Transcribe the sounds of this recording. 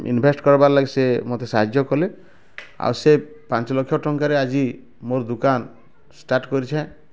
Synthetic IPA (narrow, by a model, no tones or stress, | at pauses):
ḭnbʱesʈkɔɾbaɾlaɡisemot̪esaɦad͡ʒjɔkɔle | a̰wse | pãnt͡ʃɔlɔkʰːjɔʈɔŋkaɾead͡ʒi | moɾd̪ukan | sʈaɾʈkɔɾit͡ʃʰã